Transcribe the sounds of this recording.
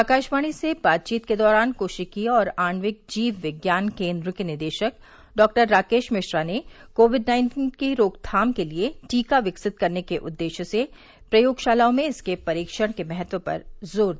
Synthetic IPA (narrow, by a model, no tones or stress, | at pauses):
aːkaːʃmaːɽ̃isebaːt̪̚t͡ʃiːt̪ked̪ɔːɾaːnkoːʃɪkiɔːɾaːnʋɪk̚d͡ʒiːʋʋɪɡjaːnkẽːnd̪ɾʊkinɪɾd̪eːʃək | ɖɔːk̚ʈəɾːaːkeːʃmɪʃɾane | koːʋɪɖnãːɪ̃nʈiːnkiɾoːkt̪ʰaːmkelieʈiːkaʋɪksɪt̪̚kɐɾnekeʔʊd̪ːeːʃse | pɾɐjoːɡʃaːlaːõmẽɪskepɐɾiːkʃəɽ̃kemɛɦət̪ʋəpɐ̰ɾzoːɾd̪